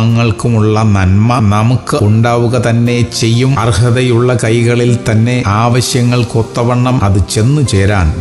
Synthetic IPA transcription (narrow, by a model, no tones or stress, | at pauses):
ŋːɐɭkumuɭːɐnɐnmɐnɐmukːɨuɳɖaːʋuɣɐt̪ɐnːe̞t͡ɕe̞jːumɐrhɐðɐjuɭːɐkɐjɣɐɭilt̪ɐnːe̞ʔaːʋɐɕjɐŋːɐɭkot̪ːɐʋɐɳːɐmɐðɨt͡ɕe̞nːut͡ɕe̞ːɾaːn